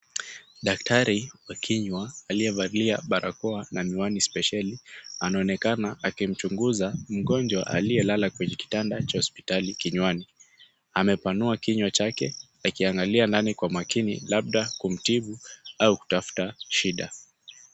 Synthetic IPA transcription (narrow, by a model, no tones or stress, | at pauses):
ɗak̚taɾiwakʰiɲwaːliɛvaɾiliaɓaɾʔa̰kɔanamiwanispɛʃalianaɔnɛkanaakim̩t͡ʃuŋɡuzam̩ɠɔnd͡ʒwa̰ʔa̰lijɛlalakwɛɲɛki̥tandat͡ʃahɔspi̥talikiɲwani | amɛpanuakiɲwat͡ʃakɛ | akiaŋɡaliandanikwamakinḭlaɓ̚ɗakum̩tiɓuauku̥tafu̥taʃiɗa